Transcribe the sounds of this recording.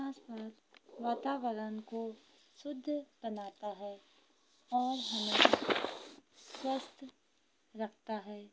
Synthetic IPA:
ãspəɾ | ʋaːt̪aːʋəɾənko | sʊd̪ʱːbɐnaːt̪aɦɛː | ɔːɾɦɐme | swəst̪ʰ | ɾɐk̚ʰt̪aɦɛː

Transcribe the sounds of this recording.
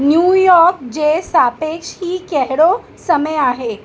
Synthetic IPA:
njuːjɔːɾkd͡ʒesaːpeːkʃɦikɛɦɽo | sɐməjaːɦe

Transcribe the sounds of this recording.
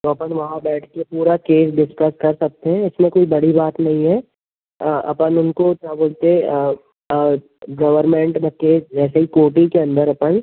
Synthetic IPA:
t̪oɐpənʋɐɦãbɛːʈʰkepuːɾakeːs̬ɖ̪ɪskəskɐɾsɐk̚t̪eɦɛ̃ɪsmẽkoːibɐɽibaːt̪nɐɦĩɦɛː | ɐ̰pənʊnkot͡ʃaboːlt̪eɛ̃ | ɡɐʋəɾmẽɳʈbɐkesd͡ʒɛːseɦikoːʈĩkeɐ̃nd̪əɾɐpən

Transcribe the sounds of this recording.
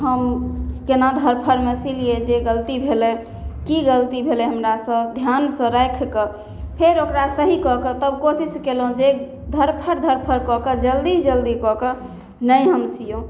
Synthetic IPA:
ɦəmkenad̪ʱəɾpʰəɾmesilijed͡ʒeɡəlt̪ibʱelɛ | kiɡəlt̪ibʱelɛɦəmɾasə̃d̪ʱjansə̃ɾajkʰkə | pʰeɾokɾasəɦikɔket̪əbkosiskelɦõd͡ʒe | d̪ʱəɾpʰəɾd̪ʱəɾpʰəɾkɔkəd͡ʒəld̪id͡ʒəld̪ikɔkə | nəjɦəmsijõ

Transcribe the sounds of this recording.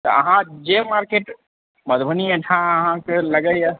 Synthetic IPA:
t̪əə̰ɦãd͡ʒemaɾkeʈ | məd̪bʱəniẽʈʰãəɦãkeləɡəjə

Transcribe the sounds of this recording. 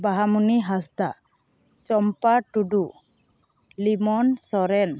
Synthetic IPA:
baɦamuniɦasd̪a̰ | t͡ʃɔmpaʈuɖu | limɔnsɔɾɛn

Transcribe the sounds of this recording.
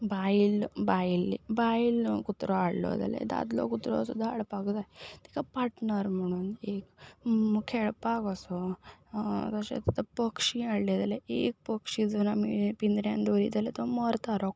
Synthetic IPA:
bailbajlːḭbajlkut̪ɾɔaɽlɔ̰d̪a̰lḛd̪a̰d̪lɔ̰kut̪ɾɔ̰sud̪ʱːaːɭpaɡd̪ajt̪i̥kapaɾʈnəɾm̤əɽ̃uːnekmukʰɛɭpakəsɔ | t̪əɕḛt̪at̪apəkʂiaɽlid̪aleek̚pəkʂid͡zonamipind̪ɾjand̪oɾḭt̪alet̪ɔməɾt̪aɾɔ

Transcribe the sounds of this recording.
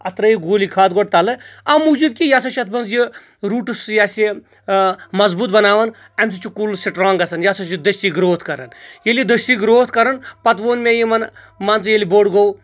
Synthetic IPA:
ɐt̪ɾɐjiɡoːlikʰaːd̪̚ɡoɽ̚t̪ɐlɨɐmud͡ʒub̚ʲkʲijaːsɐt͡ʃʰɐt̪ʰbɐnzji | ɾuːʈɨsjaːsi | mɐzbuːt̪̚bɐnaːʋɐn | ɐnzut͡ʃʰukulsiʈɾãːŋɡɐsɐnjaːsɐt͡ʃʰid̪əʃʲt̪iɡɾoːt̪ʰkɐɾɐ̰njelid̪əʃt̪iɡɾoːt̪̚ʰkɐɾɐnpɐt̪ʋoːnmejimɐn | mant͡sɨjeliboɽɡow

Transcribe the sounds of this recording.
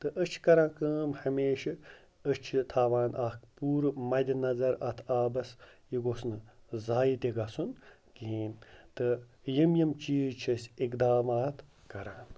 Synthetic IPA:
t̪ɨʔət͡ʃʰkɐɾãːkɨːmhɐmeːʃɨ | ət͡ʃʰit̪ʰaːʋaːnʔaːk̚ʰpuːɾɨmɐd̪ʲnɐzɐɾɐt̪ʰaːbɐsjiɡosnɨzaːjit̪ʲeɡɐsun | kiːnt̪ɨ | jimjɐmt͡ʃiːt͡ʃʰɐsʲikd̪aːmaːt̪ | kɐɾaːn

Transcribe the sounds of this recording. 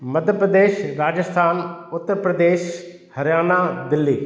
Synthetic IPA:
mɐd̪ʱjəpɾəd̪eːʃɾaːd͡ʑəst̪ʰaːnʊt̪ːəɾpɾəd̪eːʃ | hɐɾjaːnad̪ɪlːiː

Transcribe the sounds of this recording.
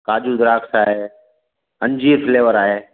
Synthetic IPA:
kaːʄuːd̪ɪɾaːksaːɦeː | ɐ̃ɲd͡ʑiːɾfɪleːʋəɾaːɦeː

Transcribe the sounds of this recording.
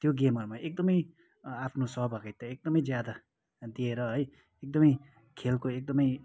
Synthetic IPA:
t̪joɡemʌɾumaek̚d̪ʌmʌj | apʰnosʌɦbʱakʌjt̪ʌek̚d̪ʌmʌjd͡zjad̪a | d̪ieɾʌɦʌj | ek̚d̪ʌmʌj | kʰelkoek̚d̪ʌmʌj

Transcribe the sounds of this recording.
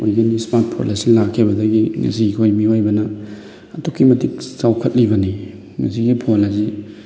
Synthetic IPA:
o̰jɡinismanpʰo̰lɐsiŋlakʰːibɐdɐɡiŋɐ̰sikʰojmiojbɐnɐ | ɐtʰokːimɐtik̚sawkʰɐt̚libɐni | ŋɐs̬iɡipʰolazi

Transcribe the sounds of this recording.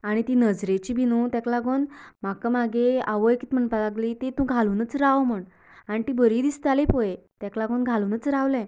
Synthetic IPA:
aɽ̃it̪inəd͡zɾet͡ɕibʱinũt̪aklaɡonmakamaɡeaʋəjkiːt̪m̤əɳpalaɡliːt̪et̪ũɡʱalunət͡sɾaom̤əɳ | aɽ̃it̪ibəɾid̪ist̪alepoet̪aklaɡonɡʱalunət͡sɾawlɛ̃

